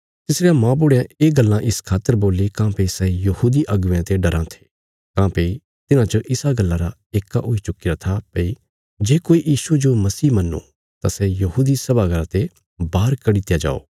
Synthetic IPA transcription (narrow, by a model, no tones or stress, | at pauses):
t̪ɪsɽejãmãːp̬ʊɽejãeːɡɐlːãʔɪskʰaːt̪ːəɾboːlikãːpeisɛjɐhuːd̪iʔɐɡʊʋjãt̪eɖɐɾãt̪ʰe̥ː | kãːpei | t̪ɪnãt͡ʃoʔɪsaɡɐlːaɾa | eːkːaʔoːit͡ʃʊkɪɾat̪ʰapɐi | d͡ʒeːkoːijiːsud͡ʒomɐsiːmɐnːo̰ | t̪asɛjɐɦuːd̪isɐbaɡɐɾãt̪e | baːɾkɐɽit̪jad͡ʒa̰ːo̰ː